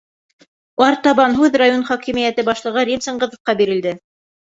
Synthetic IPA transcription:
wɑɾt̪ɑβɑnɦʉðrajonχɒkimijæt̪ɘbɑʃlˠɤ̆ʁɤɾʲimsɤ̆ɴɢɤ̆ðŏfqɑbiɾɘ̆ld̪ɘ

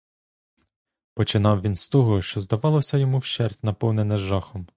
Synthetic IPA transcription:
pɔt͡ʃɪnɑwʋʲinst̪ɔɦɔʃt͡ʃɔzd̪ɐʋɑlˠɔsʲɐjɔmuwʃt͡ʃɛrtʲnɐpɔwnenɛʒɑxɔm

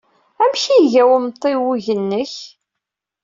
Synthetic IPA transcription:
æmçiʝæwəmt̪ˤːiwuʝənːəç

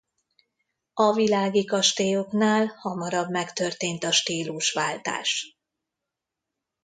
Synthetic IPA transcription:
ɒvilaːɡikɒʃt̪eːoknaːlhɒmɒɾɒbmɛkt̪ø̞rt̪eːnt̪ɒʃt̪iːluʃʋaːlt̪a̰ːʃ

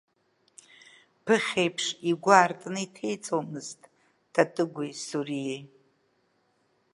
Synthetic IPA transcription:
pʰɨχʲejpʰʂiɡʷaːrtʼnɨitʰe̞jt͡sʼomɨztʼ | tʰatʼɨɡʷʊjsuɾijej

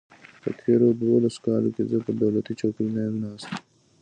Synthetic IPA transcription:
t̪ɐ̰t̪ʰeːɾoːd̪woːlɐskaːlo̰kezɐpɐd̪ɐwlɐt̪it͡ʃʰoːpinejmnaːs

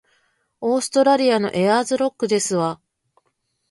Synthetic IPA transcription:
o̞ːsɨ̥t̪o̞ɾaɾʲiano̞̰ʔe̞azɨɾo̞kːɯ̟d̪e̞sɨβa

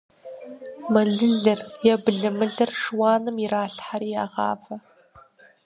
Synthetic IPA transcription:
mɐɮɨɮɨrjɛbɨɮɨmɨɮɨrʂwɑːnɨmiraːɬħaɾiːjaːʁɑ̰ːfɐ

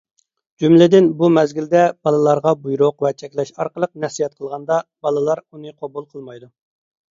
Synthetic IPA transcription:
d͡ʒumlɪd̪ɪnbumɛzɡʲild̪ɛb̥ɑlˠɨlˠɑɾʁɑbujɾʊqvɛt͡ʃʰɛkʲlɛʃɑɾqəlˠəq̚nɛsijɛt̪̚qʰəlˠʁɑnd̪ɑb̥ɑlˠɨlˠɑɾunɨqʰobulˠqʰəlˠmɑjd̪u

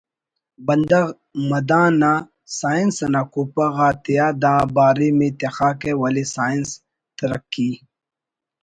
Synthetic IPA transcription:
bɐnd̪ɐɣ | mɐd̪ãːna | saːinsɐnakupɐɣat̪ijaːd̪ãːbaːɾimẽt̪exaːkewɐlisaːins | t̪ɐɾɐkːi

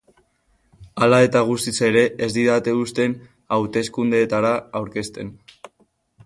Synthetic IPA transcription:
alae̞t̪aɣ̞ust̪ise̞ɾe̞ezd̪iðat̪e̞ust̪e̞n | awt̪e̞skund̪e̞ːt̪aɾaːwɾke̞st̪e̞n

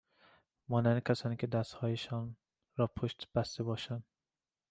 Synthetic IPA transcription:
mɒːnænd̪ekʲʰæsɒːniːkʰʲed̪æst̪hɒːjeʃɒn | ɾɒːpʰoʃt̪b̥æst̪ebɒːʃæn

